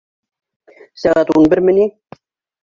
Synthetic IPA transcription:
sæɣæt̪unbɘɾmɘ̆ni

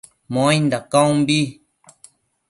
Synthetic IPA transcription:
mõj̃nd̪akõw̃mbi

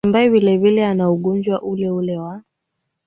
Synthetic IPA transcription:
mbaɛvilɛvilɛanauɠɔɲd͡ʒwaʔulɛulɛwa

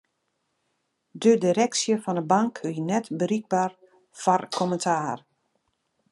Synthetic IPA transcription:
dədiɾɛksjəfɔndəbaŋkøjənɛtbəɾiɡ̚bar | fɔrkʰɔməntʰaːr

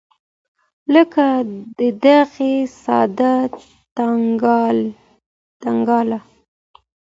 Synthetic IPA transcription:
ləkad̪əd̪aɣesɑ̰d̪a | t̪aɡ | t̪aŋɡɑla

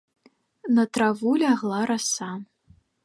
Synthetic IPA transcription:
nɐt̪ɾavulʲaɣlˠaɾasa

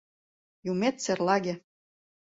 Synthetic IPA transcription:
jumet̪serlɑɡʲĕ

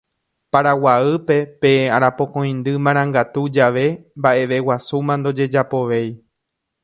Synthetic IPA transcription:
paɾawaɨpe̞pe̞aɾapõ̞kõ̞j̃nd̪ɨmãɾ̃ãŋɡat̪ud͡ʒaʋe̞mbaʔe̞ʋe̞wasumãnd̪o̞d͡ʒe̞d͡ʒapo̞ʋe̞j

